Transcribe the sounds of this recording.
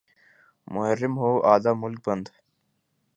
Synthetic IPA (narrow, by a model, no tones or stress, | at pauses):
mʊɦəɾːɪmɦoːʔaːd̪aːmʊlk̚bɐnd̪